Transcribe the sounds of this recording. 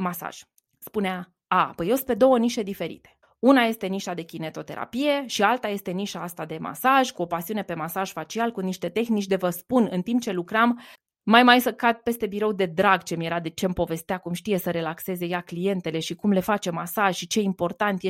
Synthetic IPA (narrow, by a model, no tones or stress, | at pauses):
masa̰ʒ̥ | spunea | apəjosped̪o̞wəniʃe̞d̪ife̞ɾḭt̪e̞̥ | unaje̞st̪e̞niʃad̪e̞kʲine̞t̪o̞t̪e̞ɾa̰pije̞ʃialt̪aje̞st̪e̞niʃaast̪ad̪e̞ma̰saʒkuo̞pasiune̞pe̞masaʒ̥fat͡ʃialkuniʃt̪e̞t̪e̞xnit͡ʃʲd̪evəspunɨnt̪imp̚t͡ʃe̞lukɾam | majmajsəkad̪̚pe̞st̪e̞biɾo̞wd̪e̞d̪ɾaɡt͡ʃe̞mje̞ɾad̪e̞t͡ʃe̞ɨmpo̞ve̞st̪eakumʃt̪ije̞səɾe̞lakse̞ze̞jaklije̞nt̪e̞le̞ʃikumle̞fat͡ʃe̞masaʒʃit͡ʃe̞impo̞rt̪ant̪j